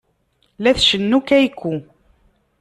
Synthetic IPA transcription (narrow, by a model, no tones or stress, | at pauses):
læθʃənːukæjkːu